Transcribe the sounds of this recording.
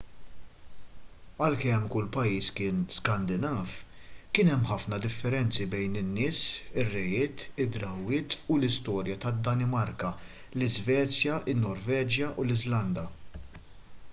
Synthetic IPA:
ɐlkɛmːkʊlːpɐjiːskɪːnskɐnd̪ɪnɐːfkɪnɛmːħɐfnɐd̪ɪfːɛɾɛnt͡sibɛjnɪnːɪːsɪrːɛjɪːt̪ɪd̪ɾɐwːɪːt̪ulɪst̪ɔːɾjɐt̪ɐd̪ːɐnɪmɐɾkɐ | lɪzvɛːt͡sjɐɪnːɔɾvɛːd͡ʒjɐʔulɪzlɐnd̪ɐ

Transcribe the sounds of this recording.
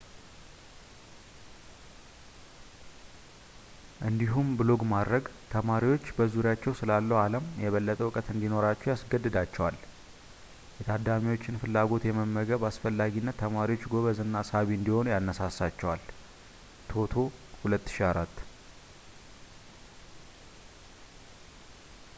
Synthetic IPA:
ʔɨnd̪iɦumbɨlo̞ɡmad̪ɾəɡt̪ʰəmaɾiwo̞t͡ʃːbəzuɾjat͡ʃːɛwsɨlalːəwaləmjɛβəlːət̪ʼəwkʼət̪ɨnd̪ino̞ɾat͡ʃːɛwjasɡəd̪ːɨd̪at͡ʃːɛwal | jɛt̪ʰad̪amiwo̞t͡ʃːɪnfɨlːaɡo̞t̪jɛməmːəɡəβasfəlːaɡinːət̪ʰːəmaɾiwo̞t͡ʃːɡo̞βəzɨnːasaβiɨnd̪iho̞nujanːəsasat͡ʃːɛwal | t̪ʰo̞t̪ʰo̞hulət̪ːɨ̥ʃiaɾat̪ː

